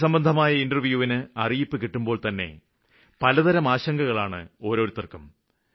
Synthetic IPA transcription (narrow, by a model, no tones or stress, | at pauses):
sɐmbɐnd̪ʱɐmaːjɐindɐrʋjuːʋinɨɐrijipːɨkiʈːumbo̞ːɭt̪ɐnːe̞̰ | pɐlɐðɐɾɐmaːɕɐŋɡɐɣɐɭaːɳɨ̰o̞ːɾo̞ːɾut̪ːɐrkːɐm